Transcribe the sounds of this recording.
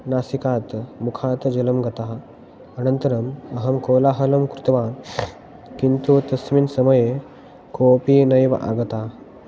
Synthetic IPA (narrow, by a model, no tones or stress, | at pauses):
nasikaːt̪mukʰaːt̪d͡ʒɐlɐmɡɐt̪a | ɐnənt̪ɐɾɐmɐɦɐmkoːlaɦɐlɐmkɾut̪ʋa | kint̪ut̪ɐsmiːnsɐmɐje | kopiːnɐjʋ̰ʔa̰ɡɐt̪a